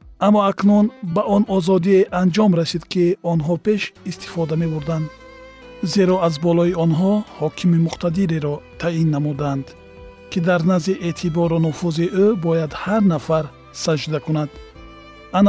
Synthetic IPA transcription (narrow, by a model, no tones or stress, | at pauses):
amːɔaknunbaʔɔnɔzɔd̪ieʔand͡ʒɔmɾasid̪kiɔnɦɔpe̞ʃist̪i̥fɔd̪ame̞buɾd̪and̪ | ze̞ɾɔazbɔlɔiɔnɦɔhɔkʰimimuqt̪ad̪iɾeɾɔt̪ʰainːamud̪and̪ | kʰid̪aɾnaziʔet̪ʰibɔɾɔnufuziʔøbɔjad̪haɾnafaɾ | sad͡ʒd̪akunad̪ | an